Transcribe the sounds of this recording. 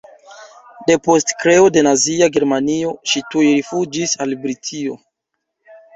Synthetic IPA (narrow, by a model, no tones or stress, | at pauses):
de̞po̞stkɾe̞ode̞naziaɡe̞ɾmanio̞ʃitujɾifud͡ʒisalbɾitʰio̞̰